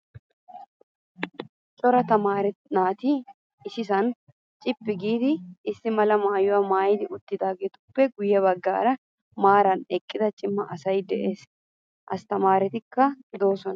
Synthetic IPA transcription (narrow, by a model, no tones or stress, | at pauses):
t͡ʃʼɔɾɐt̪ɐmaːɾɛnaːt̪ɪ | ɪsɪsɐn | t͡ʃʼɪpːɪɡiːd̪ɪːsːɪmɐlɐmaːjʊwamaːjɪd̪ɪʊt̪ːɪd̪aːɡeːt̪ʊpːɛɡʊjːɛβɐɡːa̰ːɾɐ | maːɾɐnɛkʼːɪd̪ɐt͡ʃʼɪmːɐʔɐsɐjd̪ɛʔe̞ːs | ʔɐst̪ɐmaːɾɛt̪ɪkːɐd̪o̞ːsɔnɐ